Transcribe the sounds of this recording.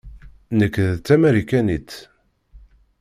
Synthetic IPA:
nəkːðt͡s̪ːæmæɾikænit̪

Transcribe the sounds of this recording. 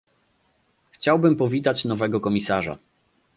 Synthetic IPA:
xt͡ɕawbɘmpɔvʲit̪at͡ɕnɔvɛɡɔkɔmʲisaʐa̰

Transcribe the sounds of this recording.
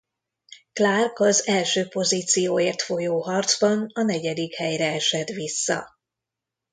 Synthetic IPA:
klarkɒzɛlʃøːpo̞ziːt̪sijoːeːrt̪fo̞joːɦɒrd̪zbɒnɒnɛɟɛd̪ikhɛjrɛɛʃɛd̪ʋisːɒ̰

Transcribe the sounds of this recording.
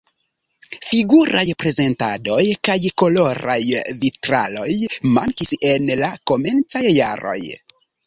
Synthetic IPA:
fiɡuɾajpɾe̞ze̞ntado̞jkajko̞lo̞ɾa̰jvitɾa̰lo̞jma̰ŋkise̞nlako̞me̞nt͡sajːaɾo̞̰j

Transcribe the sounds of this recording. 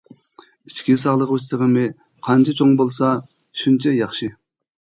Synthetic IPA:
it͡ʃkʲisɑʁlˠəʁøs̬əʁəmɨ | qʰɑnt͡ʃʰɪt͡ʃʰoŋbolˠsɑ | ʃunt͡ʃʰɛjɑχʃɨ

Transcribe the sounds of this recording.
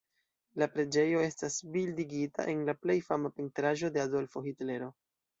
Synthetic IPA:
lapɾe̞d͡ʒe̞jo̞e̞stasbildiɡita̰ʔe̞nlaple̞jfamapintɾaʒo̞de̞ado̞lfo̞xitle̞ɾo̞

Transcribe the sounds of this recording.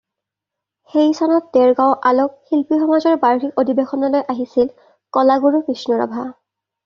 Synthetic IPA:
xejsʰɔnɔt̚dɛɹɡawʔalokxilpixɔmazɔɹbaɹxikodibexɔnɔlojʔaɦisil | kɔlaɡuɹupɹisnuɹɔ̰bʱa

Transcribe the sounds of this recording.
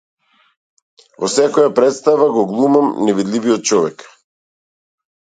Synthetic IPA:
vɔsɛkɔjapɾɛt̪st̪avaɡɔɡlˠumamnɛvid̪liviɔt̪̚t͡ʃɔvɛk

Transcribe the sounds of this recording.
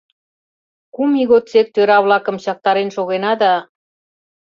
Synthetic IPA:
kumiɣot̪t͡sek̚t̪øɾɑβlɑkə̆mɕɑk̚t̪ɑɾenʃoɣenɑd̪ɑ

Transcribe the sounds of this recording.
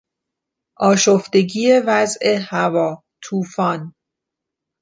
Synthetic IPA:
ʔɒːʃoft̪e̞ɟiːje̞væzʔe̞hævɒː | t̪ʰuːfɒːn

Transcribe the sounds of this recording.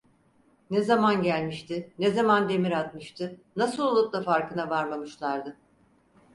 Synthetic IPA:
nezamanɟælʲmiʃt̪ʰɪnezamand̪e̞miɾat̪̚mɯʃt̪ʰɯnasɯlˠolˠuplˠafaɾkɯnavaɾmamɯʃlˠaɾd̪ɯ

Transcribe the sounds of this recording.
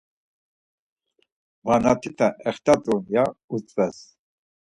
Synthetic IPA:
vanat̪ʰit̪ʰaʔɛχt̪ʰat̪ʼunjaut͡sʼvɛs

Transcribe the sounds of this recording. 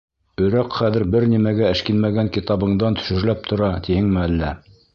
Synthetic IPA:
ɵ̆ɾæqχæðɘ̆ɾbɘɾnimæɡæɘ̆ʃkinmæɡæŋkit̪ɑβɤ̆ɴd̪ɑnt̪ʰɵ̥̆ʃɘ̆ɾlæp̚t̪ʰŏɾɑt̪ʰihɘŋmɘælːæ

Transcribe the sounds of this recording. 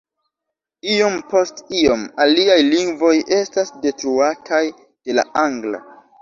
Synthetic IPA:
io̞mpo̞stio̞maliajliŋɡvo̞jʔe̞stasde̞tɾuatʰaj | d̥e̞la̰ʔaŋɡla̰

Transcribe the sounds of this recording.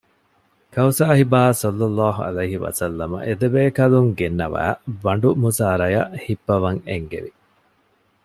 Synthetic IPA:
kɐwsaːhibaːsɐlːɐlːaːɦuɐ̰lɐjɦiʋɐ̰sɐlːɐmɐ̰ʔed̪ebeːkɐluŋɡenːɐʋæ̰ːʋɐɳɖumusaːɾɐjɐʔhibːɐʋɐŋeŋɡḛʋi

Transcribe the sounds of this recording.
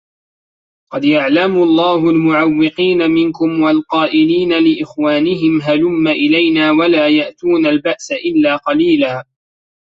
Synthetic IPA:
qɑd̪jaʕlamʊɑlˤːɑːhʊlmʊʕawːɪqiːnamɪnkʊmwalqɑːʔɪliːnalɪʔɪxwaːnɪɦɪmɦalʊmːaʔɪlajnaːwalaːjaʔt̪uːnalbaʔsaʔɪlːaːqɑliːlaː

